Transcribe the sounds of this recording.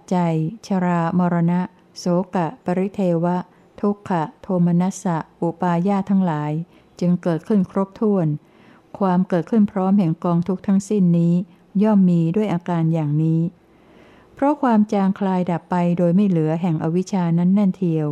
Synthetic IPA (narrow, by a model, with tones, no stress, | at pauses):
t͡ɕa˧jt͡ɕʰa˧ɾaː˧mɔː˧ɾa˧na˦˥ʔ | soː˨˦ka˨˩pa˧ɾi˦˥t̪ʰeː˧wa˦˥ | t̪ʰu˦˥kʰːa˨˩t̪ʰoː˧mːa˧na˦˥sa˨˩ʔʔu˨˩paː˧jaː˥˩t̪ʰa˦˥ŋlaː˩˦j | t͡ɕɯ˧ŋkɤː˨˩t̪̚kʰɯ˥˩nkʰɾo˦˥p̚t̪ʰu˥˩ən | kʰwaː˧mkɤː˨˩t̪̚kʰɯ˥˩npʰɾɔː˦˥mɦɛ˨˩ŋkɔː˧ŋt̪ʰu˦˥k̚t̪ʰa˦˥ŋsi˥˩nːiː˦˥ | jɔ˥˩mːiː˧du˥˩əjʔaː˧kaː˧njaː˨˩ŋniː˦˥ | pʰɾɔ˦˥kʰwaː˧mt͡ɕaː˧ŋkʰlaː˧jda˨˩pːa˧jdoː˧jma˥˩jlɯ˨˩˦ɐɦɛ˨˩ŋʔa˧wi˦˥t͡ɕʰaː˧na˦˥nːa˥˩nt̪ʰi˧əw